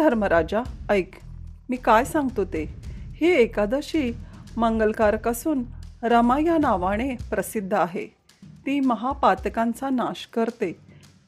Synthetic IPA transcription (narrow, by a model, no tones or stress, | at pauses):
d̪ʱəɾməɾad͡ʑaəjkmiːkajsãŋɡt̪ot̪eheːkad̪əɕiːməŋɡəlkaɾkasuːnɾəmajanaʋaɽ̃epɾəsid̪ʱːaɦḛ | t̪iːməɦapat̪kãnt͡sanaɕkəɾt̪e